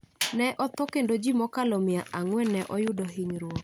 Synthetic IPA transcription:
nɛʔɔt̪ɔkendod͡ʒimɔkalomijaʔaŋwɛnɛʔɔjʊdɔɦiɲɾwo

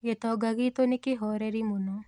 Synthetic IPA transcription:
jet̪ɔɡɐɡit̪onikiɦɔːɾeɾimunɔ

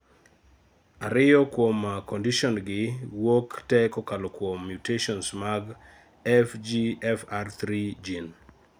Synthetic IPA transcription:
aɾɪjɔkwomːakondiʃɔnɡɪwoktɛkɔkalɔkwomːjuteʃɔnsmaɡ | ɛfd͡ʒiɛfart̪ɾid͡ʒin

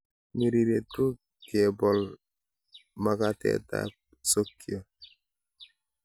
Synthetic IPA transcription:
miɾiɾetu | kebɔl | makatḛta̰ | sokːio

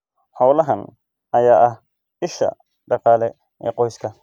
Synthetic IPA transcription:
ħɔwlɐɦɐn | ʔɐjaːʔɐh | ʔɪʃɐ̰ | ɖɑqɑːlɛ | ʔɛ̰ːqɔjskʰɐ

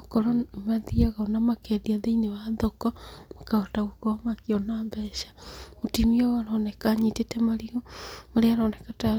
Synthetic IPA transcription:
kɔɾɔmaðiaɣaonamakɛðiaðeinewaðɔkɔmakaɔtaɣukɔmakiɔnambɛʃḁotimiɔwaɾɔnɛkaɲitetɛmaɾiomaɾeaɾɔnɛkata

